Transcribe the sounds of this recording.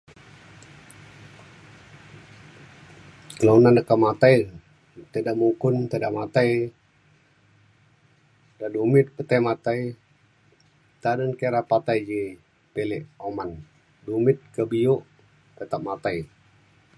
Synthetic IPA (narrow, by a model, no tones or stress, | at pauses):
kəlanandəkamat̪aj | t̪ədaʔmukʊnt̪ədaʔmat̪aj | dadumɪt̪̚pət̪ajmat̪aj | t̪aɾənkeɾapat̪ajd͡ʒi | pelɛʔoman | dumɪt̪̚kəbioʔ | k̪ət̪ap̚mat̪aj